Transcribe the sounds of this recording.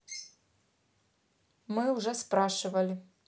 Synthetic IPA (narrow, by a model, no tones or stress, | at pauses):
mɨwʐɛspɾaʂɨvɐlʲi